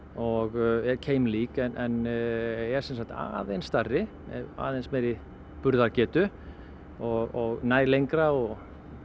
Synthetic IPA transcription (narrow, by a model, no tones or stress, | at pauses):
ɔɣɛɾcʰeːjmliːkɛnʔɛn | ɛɾ̥sɛnsakt̪a̰ːðejnst̪arɪ | ɛ̰a̰ːðejnsmɛɾɪ | pʏɾðaɾcɛːt̪ʏ | ɔɣɔɣnaːjlejŋkɾaɔɣ